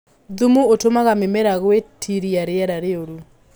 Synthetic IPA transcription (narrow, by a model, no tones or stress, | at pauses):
ðumuotomaɣamɪmeɾaɣwetʰiɾiaɾɪɛɾaɾeoɾu